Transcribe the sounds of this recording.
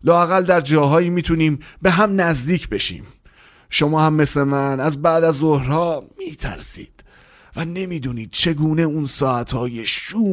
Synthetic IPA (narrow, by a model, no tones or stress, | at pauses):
lɒːæɣæld̪æɾd͡ʒɒːɦɒːjiːmiːt̪ʰuniːmbe̞ɦæmnæzd̪iːcʰbe̞ʃḭːm | ʃo̞mɒːhæmːe̞sle̞mænæzbæʔd̪æzːohɾɒːmiːt̪ʰæ̰ɾsḭːd̪̥ | væne̞miːd̪uːniːd̪̥̚t͡ʃʰe̞ɡuːneunsɒːæt̪ʰhɒːje̞ʃuː